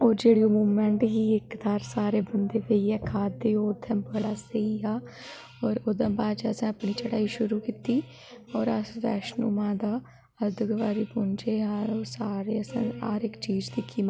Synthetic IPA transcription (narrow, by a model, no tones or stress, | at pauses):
ɔːɾd͡ʒeːɽijõmuːmɛ̃ɳʈɦiːɪkd̪aːɾsaːɾeːbənd̪eːʋeiɛːkʰaːd̪eːoːd̪ʰãːbəɽaːsəiːɦaː | ɔːɾoːd̪ãːbaːd͡ʒəsɛ̃ːəpɳiːt͡ʃəɽaːiːʃʊɾuːkiːt̪iː | ɔːɾəsʋɛ̰ːʃnṵːmãːd̪aː | əd̪ɪɡʋaːɾiːbʊnd͡ʒeːɦaːoːsaːɾeːəsã̰ːa̰ːɾɪkt͡ʃiːd͡ʒd̪iːkiːm